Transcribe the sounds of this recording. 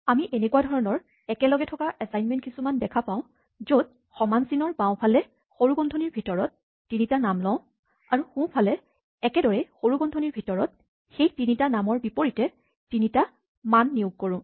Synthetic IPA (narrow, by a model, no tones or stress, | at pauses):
amiʔenekuadʱɔɹɔnɔɹ | ɛkɛlɔɡɛtʰɔkaʔɛsajnmɛntkisumandɛkʰapaʊ̃ | zod̚ | xɔmansinɔɹbãʊ̃pʰalɛ | xoɹuɡɔndʱɔniɹbʱitɔɹɔtː | initanamlɔ̃ʊ̃ | aɹuxũpʰalɛː | kɛdɔɹɛxoɹuɡɔndʱɔnibʱitɔɹɔt̚ | xejtinitanamɔɹbipoɹitɛ | tinita | manːiuɡ̚koɹʊ̃